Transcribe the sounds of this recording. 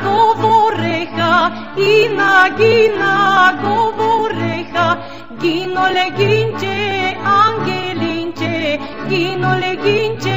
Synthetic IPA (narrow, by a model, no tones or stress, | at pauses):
ɡovoɾeha | inaɡinaɡovoɾeha | ɡinoleɡiɲt͡ʃeaŋɡeliɲt͡ʃe | ɡinoleɡiɲt͡ʃe